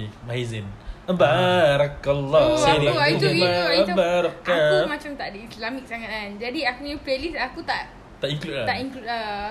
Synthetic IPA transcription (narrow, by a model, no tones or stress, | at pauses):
maɦizɪnabaɾəkalːɔsanuiabaɾɔkakumat͡ʃamt̪aʔdiislamik̚saŋat̪̚and͡ʒadiakuɲuplelisakut̪aʔ | t̪aʔiŋklut̚at̪aʔiŋkluta